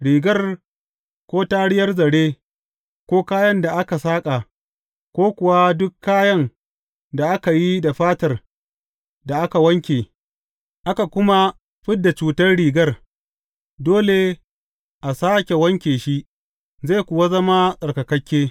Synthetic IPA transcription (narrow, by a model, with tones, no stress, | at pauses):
ɽiː˨ɡɐ˦r | kʷoː˦taː˦ɽɪ˦jɐ˦rzɐ˨ɽeː˦ | kʷoː˦kaː˦jɐ˦nda˨ʔa˦ka˨saː˦kʼa˨ | kʷoː˦kʷʊ˨wa˦dʊ˦kʰːaː˦jɐ˦ŋ | da˨ʔa˦ka˨ji˦da˨ɸaː˦tɐ˨r | da˨ʔa˦ka˨wɐ˦ŋkʲeː˨ | ʔa˦ka˨kʷʊ˦ma˦ | ɸɪ˦ddːa˨t͡ʃuː˨tɐ˦rɽiː˨ɡɐ˦r | doː˦le˨ | ʔa˨saː˦kʲe˨wɐ˦ŋkʲeː˨ʃi˦ | za˦˨kʷʊ˨wa˦zɐ˦ma˦sʼɐ˨rkɐ˨kɐ˦kʲːeː˦